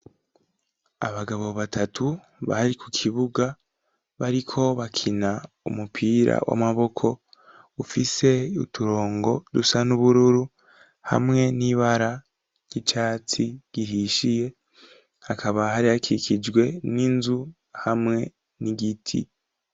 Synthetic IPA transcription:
a̰βaɡaβo̞βatʰatʰu | βa̰haɾikukʰiβuɡa | βaɾikʰo̞βakʰina | ṵmupʰiːɾa̰wʔa̰maβo̞kʰo̞ | ufise̞utʰuɾo̞ːŋɡo̞dusanuβuɾuɾu | ha̰mŋe̞niβaɾa | jit͡ʃaːt͡siɡ̥ihiːʃije̞ | hakʰaβahaɾihakikʰid͡ʒɡwe̞ninzu | hamŋe̞ | niɡitʰḭ

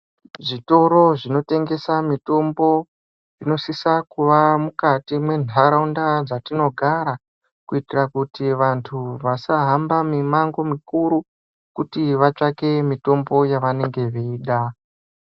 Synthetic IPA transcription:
ʐito̞ɾo̞ʐino̞te̞ŋɡe̞samito̞mbo̞ | ino̞sisakuʋamukatimwe̞nʱaɾaundad͡zatino̞ɡʱaɾa | kuitirakutiʋantʰuʋasaɦambamimaŋɡo̞mikuɾu | kutiʋat͡ʂake̞mito̞mbo̞jaʋane̞ŋɡe̞ʋiiːɗa

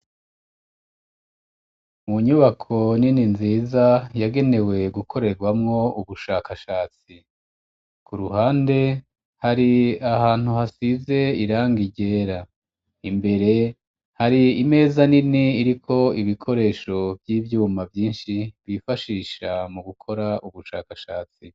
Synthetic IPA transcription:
muɲuβakʰo̞nininziːzajaɡe̞ne̞we̞ɡukʰo̞ɾe̞ɾɡwamŋo̞uβuʃaːkaʃaːt͡si | kuɾuhaːnde̞ | haɾiahaːn̥uhasize̞iɾaːŋɡiɟe̞ːɾa | imbe̞ɾe̞ | haɾiime̞ːzaniniːɾikʰo̞iβikʰo̞ɾe̞ːʃo̞bjiːvjuːmavjiːnʃiβifaʃiːʃamuɡukʰo̞ɾaʔuβuʃaːkaʃaːt͡si

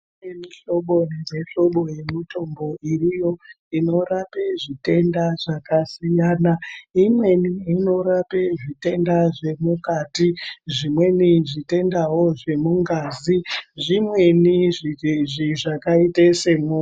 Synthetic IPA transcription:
emiɬo̞ɓo̞nezeɬo̞ɓo̞je̞mito̞mbo̞ʔirijo̞ | ino̞rape̞ʐite̞ndaʐ̥akasijaːnaimwe̞niino̞ɾapeʐite̞ndaʐe̞mukatiʐimwe̞niʐite̞ndawo̞ʐe̞muŋɡaːziʐimwe̞niʐiʐiʐakaitesemu

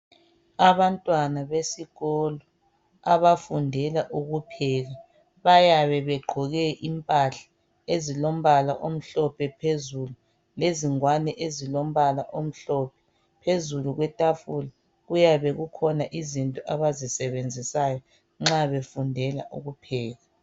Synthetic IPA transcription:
aβantʼwanaβesiɣɔlɔ | aβafundʱɛlaʔuɣupʰɛːɣa | βajaβɛβɛɡ͡ǃʱɔɣɛʔimpʼaɬḁ | ezilom̩βalaʔom̩ɬɔpʰɛpʰezulu | leziŋwanɛʔezilom̩βalaʔom̩ɬɔpʰɛ̥ | pʰezuluɣwɛtʼafula | ɣujaβɛɣukʰɔnaʔizintʼɔʔaβazisɛβend͡zʱisajɔ | ŋ͡ǁaβefundʱɛla̰ʔṵɣupʰɛːɣa

